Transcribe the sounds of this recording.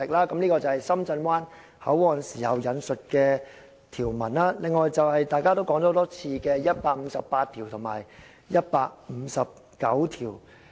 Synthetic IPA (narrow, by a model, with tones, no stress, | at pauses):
ɪ˨k̚laː˥kɐ˨˥mniː˥kɔː˧t͡sɐ˨whɐ˨jsɐ˥mt͡sɐ˧nwaː˥n | hɐ̰˨˥wɔː˨˩nsiː˨˩hɐ˨wjɐ˨˧˥nsɵ˨t̚kɛː˧ | t̪ʰiː˨˩wmɐ˨˩nlaː˥lɪ˨ŋːɔː˨jt͡sɐ˨whɐ˨jt̪aː˨˧jkaː˥t̪o˥wkɔː˨˥ŋɔ˧˥o˧˥t̪ɔː˥t͡sʰiː˧kɛː˧jɐ˥t̚paː˧k̚m̩˨˧sɐ̰˨pːaː˧t̚t̪ʰiː˨˩wt̪ʰʊ˨˩ŋma̰ː˨˩j | jɐ˥t̚paː˧k̚m̩˨˧˥sɐ˨p̚ | kɐ̰˨˥wt̪ʰiː˨˩w